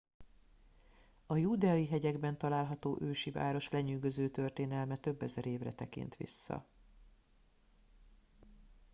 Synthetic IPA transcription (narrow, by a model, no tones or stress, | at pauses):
ɒjuːd̪ɛɒiɦɛɟɛɡbɛnt̪ɒlaːlɦɒt̪oːʔøːʃiva̰ːɾo̞ʃlɛɲyːɡøzøːt̪ørt̪eːnɛlmɛt̪ø̞bːɛzɛɾeːvrɛ̰t̪ɛkḭnt̪ʋḭsːɒ̰